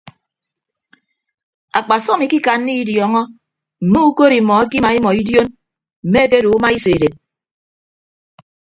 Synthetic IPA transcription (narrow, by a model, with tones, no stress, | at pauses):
a̰˨k͡pa˨sɔ˦mi˨ki˦ka˨nː˦i˦i˦djɔː˨ŋɔ˦ | m̩˨mu˦u˦ko˦ɾi˨mɔ˨a˦ki˦ma˨i˦mɔ˨i˦djo˦n | m̩˨me˦e˦te˦ɾo˨u˦ma˦i˦se˨ɾe˨t̚